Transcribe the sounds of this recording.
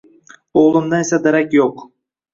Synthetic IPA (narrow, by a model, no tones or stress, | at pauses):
oʁlˠʊmd̪anesad̪aɾakʲjoq